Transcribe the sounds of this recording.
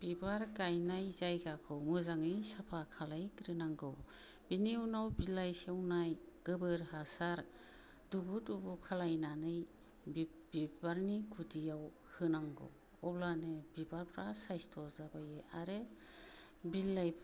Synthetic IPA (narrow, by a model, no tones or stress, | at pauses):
b̥ibaɾɡajnajzajɡakʰɯwmɯzaŋisapʰakʰalajɡɾɯnaŋɡɯ̰w | biniunawbilajsewnajɡ̥ɯbɯɾhasaɾ | duɡutubukʰalajnanɯj | b | bibaɾniɡudijaw | hɯnaŋɡɯ̰w | ɔblanɯbibaɾpʰɾasajstʰɔzabajɯaɾɯ | bilːaj